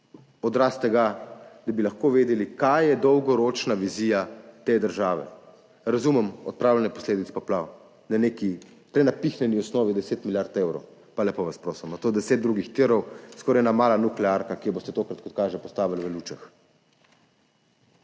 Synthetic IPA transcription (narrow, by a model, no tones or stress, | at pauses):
ɔd̪ɾast̪ɛɡad̪abilaxkoʋeːd̪ɛlikajjɛd̪ɔwɡɔɾot͡ʃnaʋiziːjat̪ed̪əɾʒaːʋɛ̰ | ɾazuːmɛmɔt̪̚pɾaːwlɛnɛpɔ̥sleːd̪it̪sɛ̥pɔplaw | naneːki | pɾɛnapixnɛniɔsnɔːʋid̪ɛseːt̪miljaɾt̪ewɾɔw | palɛpoʋaspɾoːsimnat̪oːd̪ɛseːd̪̚d̪ɾuɡixt̪iɾɔwskɔɾajnamaːlanuklɛaɾkakijɛboːst̪ɛt̪oːkɾat̪̚kɔt̪kaːʒɛpɔst̪aːʋilʋəluːt͡ʃax